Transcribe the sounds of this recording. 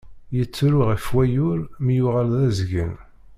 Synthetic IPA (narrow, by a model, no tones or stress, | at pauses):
jət͡sːɾʊʁifwæjʊɾmijʊʁalðæzɡə̰n